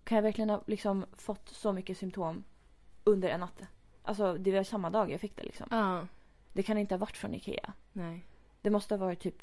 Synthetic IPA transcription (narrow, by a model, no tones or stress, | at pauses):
kʰanjavæɾklɪɡənhɑlɪksɔmfɔt̪ːsɔmʏkːəsʏmt̪ʰoːm | ɵnd̪əɾɛnːat̪ː | ʔa̰ls̬ɔd̪ɛvɪvasamːad̪ɑːɡja̰ɡfɪkːd̪ɛ̰lɪ̰ksɔ̰m | d̪̥ɛkʰanɪnt̪əhaːvaʈːfɾɔ̰nɪ̰kʰḛːa̰ | d̪̥ɛmɔst̪əhavɑːɾɪt̪ʰːyːp